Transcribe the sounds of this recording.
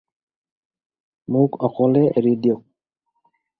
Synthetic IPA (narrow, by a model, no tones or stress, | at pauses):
mʊkɔkʰɔlɛʔeɹidiɔk̚